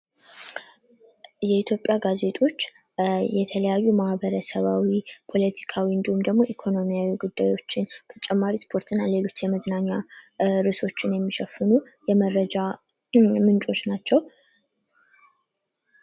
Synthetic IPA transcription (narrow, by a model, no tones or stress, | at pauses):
jɛit̪ʰjo̞pʼːjaɡaze̞t̪ʰʼo̞t͡ʃːjɛt̪ʰələjajːumahbəɾəsəβawipʰo̞lət̪ʰi̥kʰawiɨnd̪ihumd̪əɡmo̞ʔikʰo̞no̞mijawiɡud̪ːajo̞t͡ʃːɪnt̪ʰə̥t͡ʃʼɛmːaɾispʰo̞ɾt̪ʰɨnːale̞lo̞t͡ʃːjɛməznaɲːaɾɨso̞t͡ʃːɪnjɛmːiʃɛfːɨnujɛməɾəd͡ʒa | mɨnt͡ʃʼo̞t͡ʃːnat͡ʃːɛw